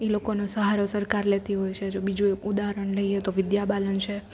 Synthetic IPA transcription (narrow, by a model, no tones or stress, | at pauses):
elokonosəɦaɾosəɾkaɾlet̪iɦojt͡ʃʰed͡ʒobid͡ʒueud̪aɾəɳləiet̪oʋɪd̪jabalənt͡ʃʰe